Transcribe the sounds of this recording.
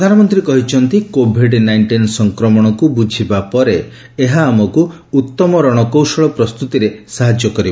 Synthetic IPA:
pɾɔd̪ʱanɔmɔnt̪ɾiekɔɦit͡ʃʰɔnt̪ikobʱiɖnajɳʈinsɔŋkɾɔmɔɽ̃ɔkubud͡ʒʱibapɔɾe | eɦaːmɔkuː | t̪ːɔmɔɾɔɽ̃ɔkowsɔɭɔpɾɔst̪ut̪iɾesaɦad͡ʒjɔkɔɾiba

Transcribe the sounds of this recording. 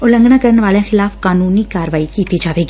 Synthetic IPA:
ʊlə̃ŋɡnãːkəɾəɳʋaːlãːxʰɪlaːfkaːnuːniːkaːɾʋaːikiːt̪id͡ʒaːʋeːɡi

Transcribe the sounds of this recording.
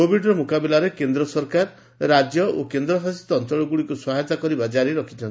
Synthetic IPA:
obʱiɖɾɔmukabɛlaɾekend̪ɾɔsɔɾkaɾ | ɾad͡ʒjɔokend̪ɾɔsasi̥t̪ɔɔnt͡ʃɔɭɔɡuɭikuswaɦet̪akɔɾibad͡ʒaɾiɾɔkʰit͡ʃʰɔntʰi

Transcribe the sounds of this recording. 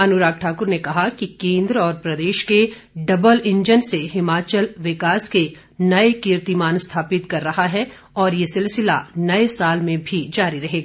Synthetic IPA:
ɐnʊɾaːk̚ʈʰaːkʊɾnekɐɦakikẽːnd̪ɾəɔːɾpɾɐd̪eːʃke | ɖɐbəlɪ̃ɲd͡ʒənseɦɪmaːt͡ʃəlʋɪkaːske | nɐekɪɾt̪imaːnst̪ʰaːpɪt̪kɐɾːɐɦaɦɛ | ɔːɾjesɪlsɪla̰nɐesaːlmẽbʱid͡ʒaːɾiɾɐɦeːɡaː

